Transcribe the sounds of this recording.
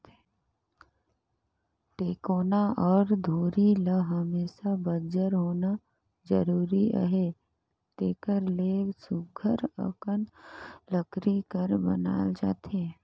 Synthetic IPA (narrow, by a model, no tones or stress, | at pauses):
ʈeːkoːnaʔɔːɾd̪ʱuːɾiləɦəmeːʃabəd͡ʒəɾɦoːna | d͡ʒəɾuːɾiə̰ɦe | ʈeːkəɾleːsʊɡʱəɾə̰kənləkɾikəɾbə̰na̰ːld͡ʒa̰ːt̪e